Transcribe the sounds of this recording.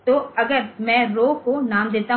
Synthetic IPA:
t̪oːɐɡəɾmɛ̃ɾoːɦkonaːmd̪eːt̪aɦ

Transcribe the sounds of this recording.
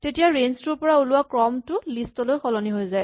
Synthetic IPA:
tetijaɹenstuɹpɔɹaulʊwakɹɔmtʊlistɔlojxɔlɔniɦojzaj

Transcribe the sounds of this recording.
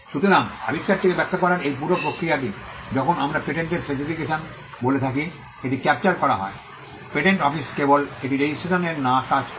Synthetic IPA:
ʃut̪oɾaŋa̰bitːaɾt̪ʰekebɛk̚t̪ʰːakɔɾaɾejp̬uɾopɾokɾijaʈ̬i | d͡ʑɔkʰonamɾapeʈeɳʈeɾfesifikeʃon | bolet̪ʰaki | eʈikɛp̚t͡ɕaɾkɔɾa̰ɦɔ̰e | peʈeɳʈɔfiskeboleʈiɾed͡ʑisʈʰeʃoneɾnãkad͡ʑ

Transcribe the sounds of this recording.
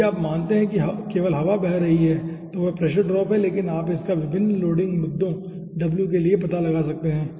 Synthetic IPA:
aːpmaːnt̪eɦɛ̃kiɦɐkeːʋəlɦɐʋabɛɦɾːɐɦiɦɛːt̪oʋopɾɛːʃəɾɖɾɔːpɦɛleːkɪnaːpɪskaʋɪbʱɪnːloːɖɪ̃ŋɡmʊd̪ʱːõ | ɖɐbljukeliepɐt̪alɐɡasɐk̚t̪eɦɛ̃ː

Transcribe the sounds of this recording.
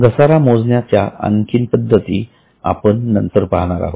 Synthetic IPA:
ɡəsaɾamod͡znjat͡ɕjaa̰ŋkinpəd̪ʱːət̪iː | a̰pəɳːənt̪əɾpaɦɽ̃aɾa̰ɦo

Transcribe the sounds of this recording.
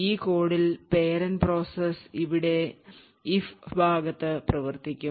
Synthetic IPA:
iːko̞ːɽilpeːɾɐnpro̞ːsɐsiʋiɽe̞ | ifbʱaːɡɐt̪ːɨprɐʋɐrt̪ikʲːu

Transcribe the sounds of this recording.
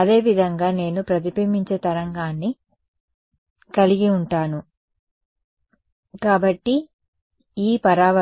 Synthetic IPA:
ɐd̪e̞ːʋid̪ʱɐŋɡaːne̞ːnupɾɐt̪ipiːmiɲt͡ʃeːt̪ɐɾɐŋɡaːnːi | kɐliɡiuɳʈaːnu | kaːbɐʈːi | iːpɐɾaːʋɐ

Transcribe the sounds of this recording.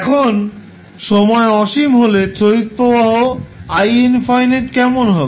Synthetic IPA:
ɛkʰon | ʃɔmɔeɔʃimɦolet͡ɕoit̪̚pobaɦoajenfɔjneʈkɛmonɦɔbe

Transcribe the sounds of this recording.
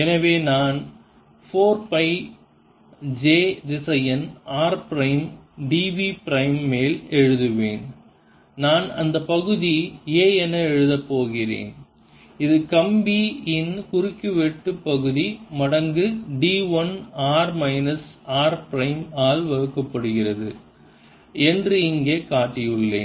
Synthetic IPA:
ɛnɐʋeːnaːn | foːɾpɐɪ | d͡ʒeːd̪ɪsɐjɛnaːɾpɪɾɐɪmɖiːʋipɪɾɐɪmːeːlɛɻɯðɯʋḛːn | naːnɐ̰nd̪ɐpːɐɣɯðieːɛnɐɛɻɯðɐpːoːɣɪrḛːn | ɪðɯkɐmbiɪnkʊɾɪkːɯʋɛʈːɯpːɐɣɯðimɐɽɐŋɡɯɖiːʋɐnaːɾmɐɪnɐsaːɾpɾɐɪmaːlʋɐɻɯkːɐpːɐɽɯɣɪrɐðɯ̰ | ɛndrɯɪŋɡeːkaːʈːɪjɯɭːḛːn

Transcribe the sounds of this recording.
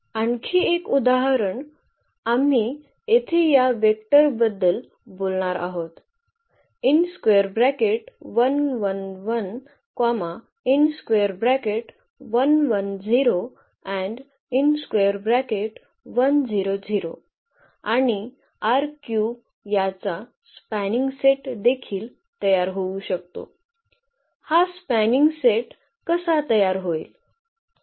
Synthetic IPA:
aɳkʰiːekud̪aɦɾəɳ | am̤i | et̪ʰijaʋek̚ʈəɾbəd̪ːəl | bolɳaɾa̰ɦot̪ | inskʋeəɾbɾækeʈʋənʋənʋən | kama | inskʋeəɾbɾækeʈ | ʋənʋənd͡ziɾo | ɛ̃ɳɖ | inskʋeəɾbɾækeʈ | ʋənd͡ziɾod͡ziɾo̰ | aɽ̃i | aɾkju | jat͡sa | spæniŋɡseʈd̪ekʰiːl | t̪əjaɾɦouɕək̚t̪o̰ | haspæniŋɡseʈ | kəsat̪əjaɾɦoiːl

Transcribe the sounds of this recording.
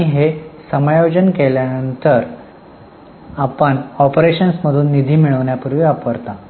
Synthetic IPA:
iɦesəmajod͡ʑənkeljanənt̪əɾ | apəɳɔpɾeɕənsməd̪ʱuːnːid̪ʱiːmiɭəʋɳjapuɾʋiapkəɾt̪a

